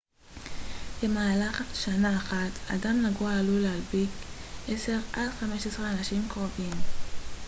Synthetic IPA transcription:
be̞maːlaχatʃanaːχata̰damnaɡuaːlulealbikʔese̞ʁadχame̞ʃesʁeanaʃimkʁovim

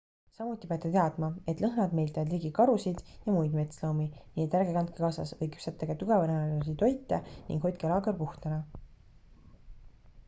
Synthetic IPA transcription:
sɑmut̪ʲːˑipeɑt̪ːˑet̪e̞ɑd̪̥mɑe̞t̪ˑlɤɦnɑd̪me̞jlt̪eɑd̪liːɡikɑɾusid̪̥jɑmujd̪me̞t̪slowminiːet̪ːæɾɡekɑnt̪̚kekɑːsɑ̰svɤjky̥psɑt̪ːˑeɡ̥ɑt̪uɡ̥ɑvɑnɑnɑlɑsit̪o̞jt̪ːˑɑnḭŋɡ̥ho̞t̪̚ʲkelɑːɡerpuht̪ɑnɑ

